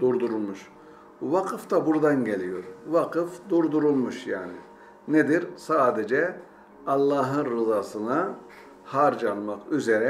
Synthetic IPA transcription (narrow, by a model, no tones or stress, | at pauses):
d̪̥uɾd̪uɾulˠmuʃ | vaqʰɯft̪ʰabuɾd̪anɟe̞lʲijoɾvaqʰɯfd̪uɾd̪uɾulˠmuʃjaːnḭ | ned̪iɾsaːd̪ed͡ʒɛ | alˠːaːɦɯnɾɯzaːsɯna | haɾd͡ʒanˠmakyze̞ɾɛ